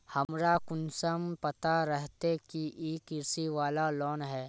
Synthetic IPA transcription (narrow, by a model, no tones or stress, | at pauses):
hɐmɾakʊnsəmpɐt̪aɾɛɦt̪ekiʔeːkɪɾsiʋaːlalɔːnɦɛː